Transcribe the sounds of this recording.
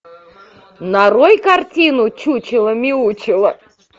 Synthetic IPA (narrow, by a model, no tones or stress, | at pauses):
nɐɾojkɐrtʲinʊt͡ɕut͡ɕɪlˠəmʲiut͡ɕɪlˠə